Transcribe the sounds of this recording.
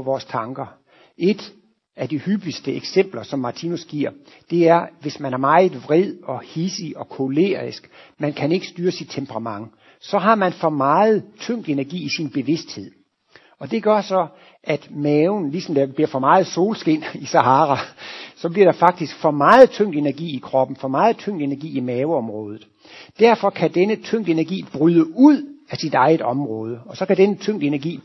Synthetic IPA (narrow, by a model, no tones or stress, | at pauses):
ʋɒːst͡sʰɑ̈ŋɡ̥ɐ | e̝d̥ | æd̥ihyb̥isd̥əeɡ̥sem̰b̥lɐsɒ̽mːɑ̈t͡sʰinusɡ̥iɐ̰ | d̥e̝æɐʋe̝smænæɐmɑ̈ɪð̩ˠʋʁɛð̰ˠɒ̽hisiɒ̽kʰo̝le̝̰ːʁisɡ̥mænkʰæne̝ɡ̥ə̥sd̥yːɐsid̥̚ʰempʰəʁɑ̈mɑ̈ŋ | sɒ̽ɦɑ̈mænfɒ̽mɑ̈ːð̞̩ˠt͡sʰøŋ̰d̥e̝næɐɡ̥ḭːisinb̥e̝ʋe̝sd̥he̝ð̞̰ˠ | ɒ̽d̥e̝ɡ̥ɶɐsɒ̽ | ʔæd̥mɛːʊn̩lisɒ̽md̥æb̥liɐ̰fɒ̽mɑ̈ːð̞̩ˠso̝ːlsɡ̥e̝ːnisɑɦɑ̈ːʁɑsɒ̽b̥liɐɾ̥ɑ̈fɑ̈ɡ̥̚d̥isɡ̥fɒ̽mɑ̈ːð̩ˠt͡sʰøŋ̰d̥e̝næɐɡ̥ḭːikʰʁɒ̽b̥n̩fɒ̽mɑ̈ːð̩ˠt͡sʰøŋ̰d̥e̝næɐɡḭːimɛːʊɒ̽mʁɔːð̞ˠð̩ˠ | d̥æɐfɒ̽kʰæd̥enət͡sʰøŋ̰d̥əe̝næɐɡ̥ḭːb̥ʁyðˠəuð̰ˠæsid̥ɑ̈ɪð̩ˠɒ̽mʁɔːð̞ˠəɒ̽sɒ̽kæd̥enət͡sʰøŋ̰d̥e̝næɐɡ̥ḭː